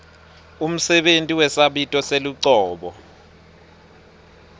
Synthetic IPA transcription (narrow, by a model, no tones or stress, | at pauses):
um̩sɛɓentʼiwɛsaɓitʼɔseluǀɔːɓɔ